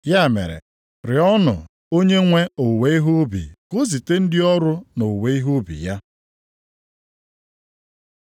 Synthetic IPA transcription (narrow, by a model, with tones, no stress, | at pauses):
ja˦˨mḛ˨ɾḛ˨ | ɾɪ˨ɔ˦nʊ̰˨ | o˦ɲe˦ŋʷe˦o˨we˨˦i˦ɦu˦bḭ˨ko˦zi˨te˦n̩˦dɪ˦ɔ˦ɾʊ˦no˨we˨i˦ɦu˦bḭ˨ja˦